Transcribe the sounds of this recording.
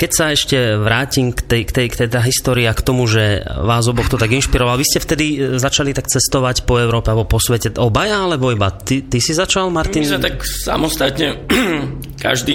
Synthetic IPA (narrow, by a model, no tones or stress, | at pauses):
kɛcsaɛʃcɛʋɾaːcimkt̪ɛjkt̪ɛjkt̪ɛjt̪aɦist̪ɔːɾiakt̪ɔmuʒɛʋaːzɔbɔxt̪ɔt̪aɡinʃpiɾɔʋalʋiscɛft̪ɛd̪izat͡ʃalit̪akt͡sɛst̪ɔʋacpɔɛʊɾɔːpɛalbɔpɔsʋɛcɛɔbajaalɛbɔibat̪it̪isizat͡ʃalmaɾt̪inzɛt̪aksa̰mɔst̪at̪ɲɛ | ka̰ʒd̪i